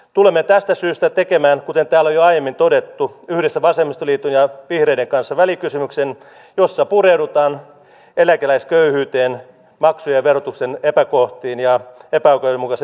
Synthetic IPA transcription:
t̪ulemːet̪æst̪æsyːst̪æt̪ekemæːnkut̪ent̪æːlːojoɑijemːint̪odet̪ːuyhɾesːæʋɑsemːist̪oliːt̪unjɑʋihreideŋkɑnsːɑʋælikysymyksen | josːɑpureudut̪ɑːn | elækelæiskøyhyːt̪eːn | mɑksujeʋerot̪uksenepækoht̪iːnjɑepæokojemukɑse

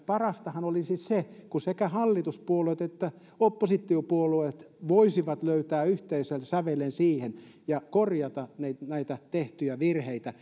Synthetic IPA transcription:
pɑrɑst̪ɑhɑnolisissekusekæhɑlːit̪uspuoleˑt̪et̪ːæ | opːosit̪ːˑiopuoluet̪ʋoisiʋɑt̪løyt̪æːyht̪eiselsæʋelensiːhen | jɑkorjɑt̪ɑnæinæit̪æt̪eht̪yjæʋirheit̪æ

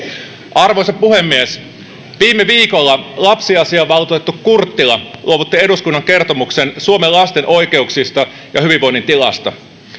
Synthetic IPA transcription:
ʔɑrʋo̞jsɑpːuhe̞mːies | ʋiːmːeʋiːko̞lːɑlɑpsiɑsiɑʋɑlt̪ut̪et̪ːukkurt̪ːilɑlʔuoʋut̪ːie̞duskunːɑŋke̞rt̪omukse̞nsuomellɑst̪e̞nʔo̞jke̞uksist̪ɑ | jɑhyʋiʋo̞jnːint̪ilɑ̰st̪ɑ

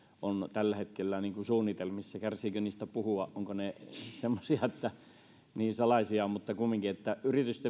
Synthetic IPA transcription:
ʔont̪ælːæhet̪kelːæniːŋkusuːnːit̪elmisːækærsiːkøniːst̪æpuhuɑʔʔoŋkonesemːosiɑet̪ːæ | niːnsɑlɑisiɑmut̪ːɑkumːiŋkiet̪ːæʔyrit̪yst̪e

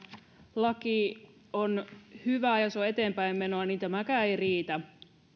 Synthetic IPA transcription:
lɑkionhyʋæjɑseoe̞t̪e̞ːmpæimːe̞no̞ɑnint̪æmækæːejriːt̪æ

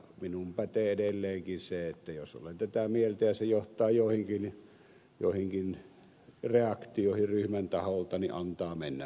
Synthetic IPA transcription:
minumpæt̪eedelːeːŋkinseet̪ːæjosʔo̰lent̪æt̪æmielt̪æjɑsejoht̪ˑɑːjoˑehiŋkin | jo̰ˑehiŋkin | reɑkt̪ioˑehiryhmænt̪ɑholt̪ɑniʔʔɑnt̪ɑːmenːæ̰

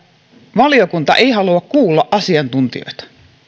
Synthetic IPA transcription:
ʋɑliokunt̪ɑʔe̞iɦɑluɑkkuːlːɑʔʔɑsiɑnt̪unt̪ḭo̞̰jt̪ɑ̥

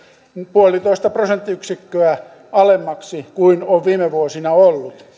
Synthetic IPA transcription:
puolit̪oist̪ɑprosent̪ːiyksikːøæ | ɑlemːɑksikuinoʋʋiːmeʋuosinɑolːut̪

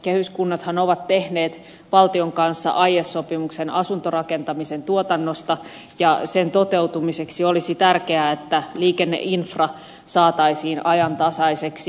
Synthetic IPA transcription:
kehyskunːɑt̪hɑnoʋɑt̪tehneːt̪ | ʋɑlt̪ioŋkɑnsːɑ̰ʔɑjesːopimuksenɑsunt̪orɑkent̪ɑmisent̪uot̪ɑnːost̪ɑ | jɑsent̪ot̪ewt̪umiseksiolisit̪ærkeæet̪ːæliːkenːḛʔinfrɑ | sɑːt̪ɑisiːnʔɑjɑnt̪ɑsɑiseksi

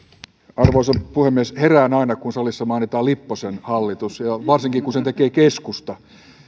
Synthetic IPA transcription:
ɑrʋoisɑpuhemːiesheræːnɑinɑkunsɑlisːɑmɑinit̪ɑːlipːosenhɑlːit̪usjɑʋɑrsiŋkikunsent̪ekeːkeskust̪ɑ

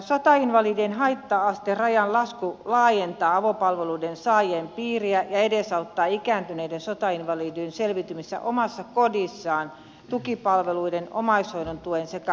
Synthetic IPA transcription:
sot̪ɑinʋɑliːdienɦɑit̪ːɑɑst̪erɑjɑnlɑskulɑːjent̪ɑːɑʋopɑlʋeluidensɑːjeːmpiːriæjɑedesɑut̪ːɑːikæːnt̪yneidensot̪ɑinʋɑliːdynselʋit̪ymisːæ̰ʔomɑsːɑkodisːɑːn | t̪ukipɑlʋeluideno̰mɑishoinont̪uensekæ

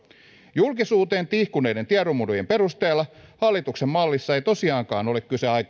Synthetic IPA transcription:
julkisuːt̪e̞ːnt̪ihkune̞jde̞nt̪iɑɾomudojempe̞ɾust̪eːlːɑhɑlːit̪uksemmɑlːisːɑejt̪o̞siɑːŋkɑːno̞lekkyseɑjk

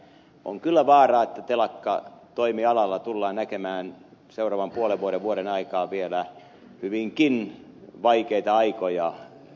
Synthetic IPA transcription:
ʔo̰ŋkylːæʋɑːrɑːet̪ːæt̪elɑkːɑ̰t̪oimiɑlɑlːɑt̪ulːɑːnækemæːnseurɑːʋɑmpuoleʋʋuoɾeʋʋuoɾenɑikɑːʋielæ | hyʋiŋkinʋɑikeit̪ɑɑikojɑ

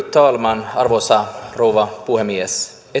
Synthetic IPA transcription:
t̪ːɑːlmɑnɑ̰rʋosɑrowʋɑpuhemːies | e

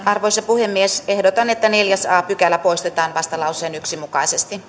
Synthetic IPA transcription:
ɑrʋoisɑpuhemːiesehdot̪ɑnet̪ːæneljæsɑːpykælːæpoist̪et̪ɑːnʋɑst̪ɑlɑuseːnyksimukɑisest̪i

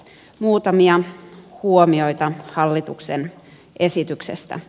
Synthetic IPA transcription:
muːt̪ɑmiɑhuomiojt̪ɑhɑlːit̪uksen | ʔesit̪yksḛst̪æ̰

